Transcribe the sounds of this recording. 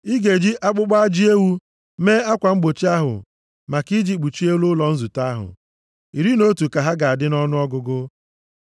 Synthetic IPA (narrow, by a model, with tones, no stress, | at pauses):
i˦ɡe˨d͡ʒi˦ʔa˦k͡pʊ˦k͡pa˦a˦d͡ʒi˦e˦wu˦ | me˦a˦kʷa˨ŋ͡m̩˦ɡ͡bo˨t͡ʃi˦a˦ɦʊ̰˨ | ma˨ki˦d͡ʒi˦k͡pu˨t͡ʃi˦e˦wʊ˦lɔ˨n̩˦zu˨ta˦ɦʊ̰˨ | i˨ɾi˦no˦tu˨ka˨ɦa˦ɡa˨a˨dɪ˦nɔ˦nʊ˦ɔ˦ɡʊ˨ɡʊ˦